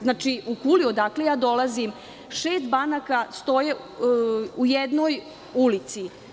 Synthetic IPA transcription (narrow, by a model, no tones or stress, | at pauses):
znaːt͡ʃiukuliod̪akle̞jaːd̪o̞lazim | ʃeːst̪banakast̪o̞je | ujed̪noj | ulit̪si